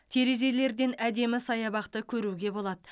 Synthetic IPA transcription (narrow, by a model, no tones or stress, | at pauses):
t̪ʰe̞ɾe̞ze̞le̞ɾd̪e̞næd̪e̞mɪsɑjɑbɑqt̪əkʲʰɵɾuɡʲe̞bo̞lˠɑd̪ə